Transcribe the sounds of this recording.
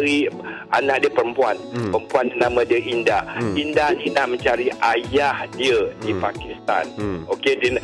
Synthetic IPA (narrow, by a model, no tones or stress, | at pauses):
ɾiʔa̰nak̚diəpəɾəmpuanpəɾəmpuant̪ənamãdiəʔindaindaninaʔmə̃ɲt͡ʃaɾiʔajahdiədipakist̪a̰nokedɛn